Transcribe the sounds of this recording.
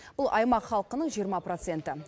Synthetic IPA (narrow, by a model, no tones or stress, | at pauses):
b̥ʊlˠʔɑjmɑqχɑlˠəqənəɴʒijəɾmɑpro̞t̪se̞nt̪ɪ